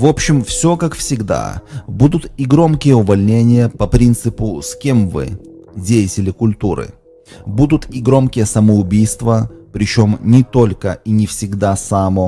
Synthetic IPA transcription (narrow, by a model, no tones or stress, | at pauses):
vo̞pɕːɪmfsʲo̞kakfsʲɪɡd̪a̰bud̪ʊt̪iɡɾo̞mkʲɪjəʊvɐlʲnʲenʲɪjəpɐpɾʲint̪sɨpʊskʲemvɨ̰dʲejɪtʲɪlʲɪkʊlʲt̪uɾɨ̰ | bud̪ʊt̪iɡɾo̞mkʲɪjəsəməʊbʲijst̪vəpɾʲɪt͡ɕomnʲɪt̪o̞lʲkəinʲɪfsʲɪɡd̪asamo